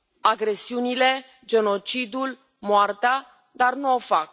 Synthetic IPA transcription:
aɡɾe̞siunile̞ | d͡ʒe̞no̞t͡ʃid̪ul | moart̪ea | d̪arnuofak̚

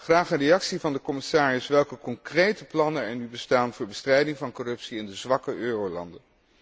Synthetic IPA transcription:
χraːχərejɑksivɑndəkɔmɪsaːrɪsʋɛlˠkəkɔŋkrejtəplɑnənɛɹnybəstaːnvʊːɹbəstrɛjdɪŋvɑnkɔrɵpsiɪndəzʋɑkəʔøːrowlɑ̰ndən

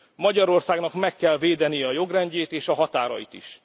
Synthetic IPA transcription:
mɒɟɒɾo̞rsaːɡnɒkmɛkːɛlveːd̪ɛnijɛɒjo̞ɡrɛɲɟeːt̪eːʃɒɦɒt̪aːɾɒ̰jit̪ḭʃ

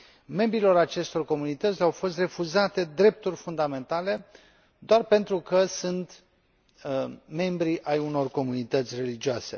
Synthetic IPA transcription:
me̞mbɾilo̞ɾat͡ʃe̞st̪o̞rko̞munit̪ət̪sʲawfo̞st̪re̞fuzat̪e̞d̪ɾe̞p̚t̪urʲfund̪ame̞nt̪ale̞ | d̪̥oarpe̞nt̪ɾukəsunt̪ | me̞mbɾiʔajuno̞rko̞munit̪ət̪sʲre̞lid͡ʒioase̞̰

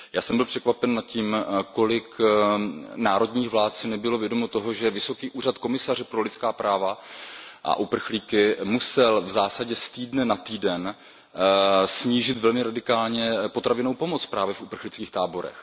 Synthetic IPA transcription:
jaːsɛmbɪlpr̥ɛkvapɛnːat̪̚ciːmko̞lɪk | naːɾo̞dɲiːxvlaːt̪sɪnɛbɪlo̞vjɛdomot̪o̞ɦo̞ʒɛvɪso̞kiːʔuːrat̪ko̞mɪsarɛpɾo̞lɪtt͡skaːpɾaːva | ʔa̰ʔupr̩xliːkɪmusɛlvzaːsaɟɛst̪iːdnɛnat̪iːdɛn | sɲiːʒɪt̪vɛlmɪɾadɪkaːlɲɛpo̞t̪ɾavɪnowpo̞mot͡spɾaːvjɛfʔupr̩xlɪt͡skiːxt̪aːbo̞ɾɛ̰x

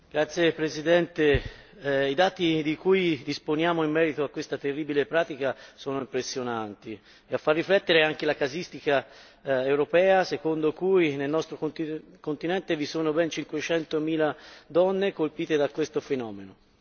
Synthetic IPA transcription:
ɡ̥ɾat̪sːjepɾezid̪ɛnt̪e | id̪aːt̪id̪ikujd̪isponjaːmoimːɛːɾit̪oakːwest̪at̪erːiːbilepɾaːt̪ikasoːnoimpɾesːjonant̪i | eafːarːiflɛt̪ːeɾeaŋk̟elakazist̪ika | ewɾopɛːasekond̪okujnelnɔst̪ɾokokont̪inɛnt̪evisoːnobɛnt͡ʃiŋkwet͡ʃɛnt̪omiːlad̪ɔnːekolpiːt̪ed̪akːwest̪ofenɔːmeno

